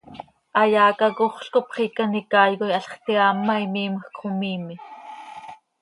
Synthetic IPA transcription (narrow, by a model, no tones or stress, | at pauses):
ʔɑjɑːkɑkoχɬkopχikɑnikɑːjɣojɑɬχt̪iɑːmːɑimiːməxkχomiːmi